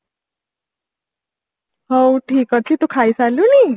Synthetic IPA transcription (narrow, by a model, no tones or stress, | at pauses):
howt̪ʰiːkɔt̪ʰit̪ukʰajsaluli